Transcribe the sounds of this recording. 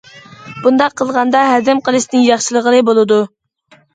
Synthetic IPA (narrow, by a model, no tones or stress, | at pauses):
b̥und̪ɑqʰːəlˠʁɑnd̪ɑɦɛd̪ɪmqʰəlˠɨʃnɪŋjɑχʃilˠəʁəlˠɨbolˠɨd̪u